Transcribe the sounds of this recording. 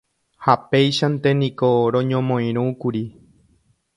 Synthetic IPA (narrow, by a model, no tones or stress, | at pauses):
hape̞jʃant̪e̞nĩkoɾõɲõmõj̃ɾ̃ũkuɾi